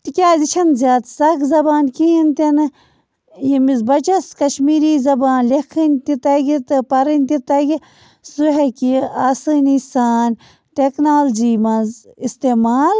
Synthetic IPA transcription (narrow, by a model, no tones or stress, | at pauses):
t̪ikʲaːzit͡ʃʰɐnzʲaːt̪sɐkzɐbaːnkiint̪ɐn | jimizbɐt͡ʃɐskɐʃmiːɾiːzɐbaːnlekʰɨnʲt̪it̪ɐɡit̪ɨpɐɾɨnʲt̪it̪ɐɡi | suɦekiaːsɨːnisaːn | ʈeknaːld͡ʒiːmɐzist̪eːmaːl